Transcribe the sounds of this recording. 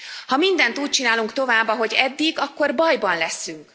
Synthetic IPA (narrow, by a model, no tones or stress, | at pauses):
hɒmind̪ɛnt̪uːc̚t͡ʃinaːluŋkt̪o̞vaːbːɒɦo̞ɟɛd̪ːiɡɒkːo̞rbɒjbɒnlɛsyŋk